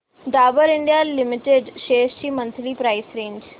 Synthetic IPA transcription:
d̪aːbəɾiɳɖijalimiʈeɖʃeːʃt͡ɕiːmənt̪ɾiːpɾajsɾeːɲd͡ʑ

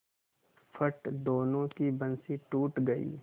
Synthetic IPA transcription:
fʰɐʈd̪oːnõkibɐnsiʈuːʈɡɐḭː

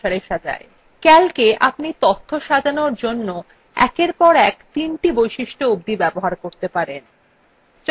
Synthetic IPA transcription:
aɾeʃad͡ʑa̰e | kɛlkeʔapnit̪ot̪ʰːoʃad͡ʑanoɾd͡ʑonːo | ɛ̰keɾpɔɾɛkt̪inʈibojʃiʃʈoub̚d̪ibɛboɦaɾkoɾt̪epaɾen | t͡ɕ

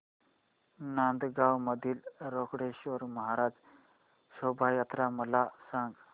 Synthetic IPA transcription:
nand̪ɡawməd̪ʱiːlɾokɽeɕoɾməɦaɾad͡z | sobʱajat̪ɾaməlasãŋɡ

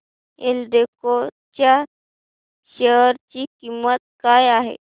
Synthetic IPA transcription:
eld̪eko | t͡ɕa | ɕəɦɾt͡ɕikimːət̪̚kajaɦḛ

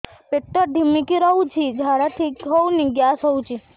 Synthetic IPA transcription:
peʈːəɾɖ̪ʱimikiɾɔut͡ʃʰid͡ʒʱaɽat̪ʰikɦɔwniɡjasɔwut͡ʃʰi

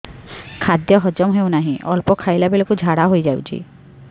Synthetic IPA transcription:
kʰad̪jɔɦɔd͡ʒɔmɦew̃naɦĩʔɔlpɔkʰajlabelokud͡ʒʱaɽaɦojd͡ʒawt͡ʃʰḭ

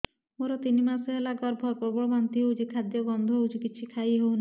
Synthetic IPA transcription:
moɾɔt̪inimasɔɦelaɡɔɾbʱɔɾpɔbɔbɔnt̪iɦeud͡ʒikʰad̪jɔbɔnd̪ʱuud͡ʒikit͡ʃʰikʰajɦewna

